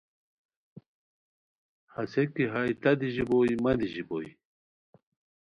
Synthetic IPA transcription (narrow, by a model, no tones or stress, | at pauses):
hɐsekiɦajt̪ɐd̪iʑibojmɐd̪iʑiboj